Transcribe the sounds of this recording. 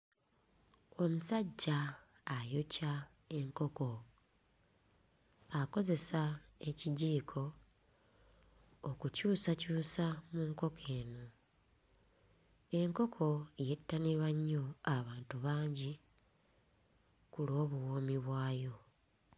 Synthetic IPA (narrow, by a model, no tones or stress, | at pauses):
o̞musaɟːaː | joca | e̞ŋko̞ko̞ | ako̞ze̞sae̞ciɟiːkʰo̞ | kucuːsacuːsamuːŋko̞kʰe̞ːno | e̞ŋko̞kʰo̞jetːaniɾwaɲːo̞aβaːntuβaːɲɟi | kulo̞ːβuwo̞ːmiβwaːjo̞